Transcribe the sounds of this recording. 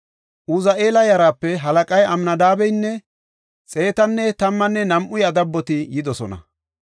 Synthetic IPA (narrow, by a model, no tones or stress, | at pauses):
ʔuzɐʔe̞ːlɐjɐɾaːpːɛɦɐlɐkʼɐjɐmnɐd̪aːbɛjnːɛ | t͡sʼe̞ːt̪ɐnːɛt̪ɐmːɐnːɛnɐmʔʊjɐd̪ɐbːɔt̪ɪjɪd̪ɔsɔnɐ̰